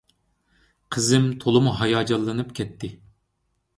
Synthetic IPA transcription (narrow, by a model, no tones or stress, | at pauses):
qʰəzɪmt̪ʰolˠɨmuɦɑjɑːd͡ʒɑlˠːɨnɨpkʲʰɛt̪ʰːɪ